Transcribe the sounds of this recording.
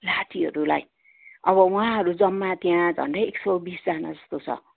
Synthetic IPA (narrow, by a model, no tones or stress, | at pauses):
laʈʰiɦʌ̰ɾulaj | ʌβʌw̃ãɦʌɾud͡zʌmːat̪jãd͡zʱʌ̰ɳɖʌjeksʌbisd͡zana̰d͡zʌst̪ot͡sʰʌ̰